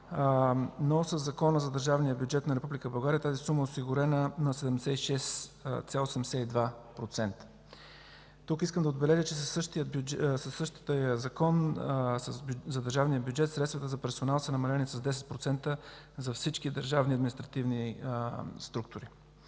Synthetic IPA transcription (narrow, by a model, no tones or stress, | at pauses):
nosəzːɐkɔnəzɐd̪əɾʒavnijəbjud͡ʒɛt̪nɐɾɛpublikəbɐlˠɡaɾijət̪azisuməɛoʊsiɡʊɾɛnənɐsɛd̪ɛmd̪sɛiʃɛst̪sʲalˠosɛɛmɛsɛid̪vapɾot̪sɛnt̪ə̥ | t̪ukis̬kəmd̪ɐəod̪bɛlɛʒət͡ʃɛsəʃt̪iəsəsːəʃt̪əjəzɐkɔnszɐd̪əɾʒavnijəbjud͡ʒɛt̪sɾɛt̪st̪vət̪əzɐpɛɾsonalˠsənɐmɐlɛnisɐzd̪ɛs̬ɛt̪̚pɾot̪sɛnt̪ə | zɐfsit͡ʃkid̪əɾʒavniɐd̪minist̪ɾɐt̪ivni | st̪ɾuk̚t̪ʊɾi